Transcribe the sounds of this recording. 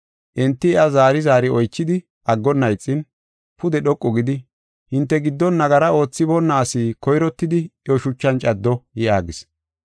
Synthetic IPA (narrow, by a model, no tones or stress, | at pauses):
ʔɛnt̪ːɪɛɐzaːɾɪzaːɾɪɔjt͡ʃːɪd̪ɪ | ʔɐɡːɔnːɐjt͡sʼːɪn | pʊd̪ɛɗɔkʼːɔɡɪd̪ɪ | hɪnt̪ːɛɡɪd̪ːɔnːɐɡɐɾɐo̞ːt͡sːɪbɔnːaːsiːkɔjɾɔt̪ːɪd̪ɪʔɔʃʊt͡ʃːɐnt͡ʃʼɐd̪ːɔjɪʔaːɡɪs